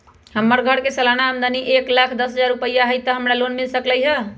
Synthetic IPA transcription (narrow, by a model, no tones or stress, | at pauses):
həmːəɾɡʱəɽkesəlanaəmd̪aniʔeklakʰd̪əsɦəd͡ʒaɾupəjːaɦəjt̪əɦəmɾalonmilsəkləjɦə